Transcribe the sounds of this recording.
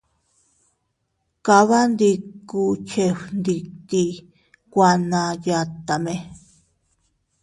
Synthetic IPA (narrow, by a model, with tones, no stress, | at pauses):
ka˧βa˦nd̪i˧ku˧t͡ʃe˧nd̪i˧t̪i˧ | kʷa˧nã˧ja˧t̪a˨mẽ˧